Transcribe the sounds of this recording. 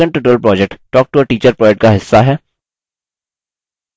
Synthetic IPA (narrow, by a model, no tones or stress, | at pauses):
ə̃ɳʈʊʈɾəlpɾɔːd͡ʒek̚ʈʈɔːk̚ʈuəɾʈiːt͡ʃəɾpɾɔːd͡ʒɛk̚ʈkaɦɪsːaɦɛː